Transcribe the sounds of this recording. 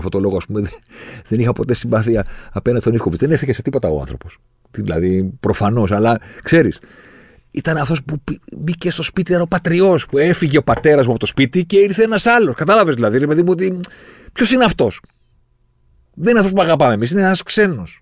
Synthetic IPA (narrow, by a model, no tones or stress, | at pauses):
ft̪ot̪o̞lo̞ɣoɐspumeðeðenixɐpo̞t̪e̞siɱbɐθiɐːpe̞nɐnd̪est̪nifkopizðenefθiʝeset̪ipo̞t̪ɐoɐ̰nθɾo̞̰po̞s | t̪ilɐ̰ðipɾo̞fɐno̞sɐlɐkse̞ɾis | it̪ɐneɐft̪ospuibice̞st̪o̞spit̪iɐnopɐt̪ɾio̞spue̞fiʝe̞opɐt̪e̞ɾɐzmuɐpot̪o̞spit̪ice̞iɾθeenɐsɐlo̞skɐt̪ɐlɐvezðilɐðiɾepe̞ðimuo̞t̪ipço̞sineɐft̪o̞s | ðenineɐft̪ospuɐɣɐpɐmemisineenɐskse̞nos